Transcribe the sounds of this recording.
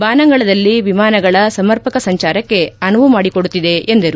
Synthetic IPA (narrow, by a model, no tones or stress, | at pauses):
baːnɐŋɡɐɭɐd̪ɐlːiʋimaːnɐɡɐɭɐsɐmɐɾpɐkɐsɐɲt͡ʃaːɾɐkːe̞ɐnɐʋumaːɽikoɽut̪ːid̪e̞ʔend̪ɐɾu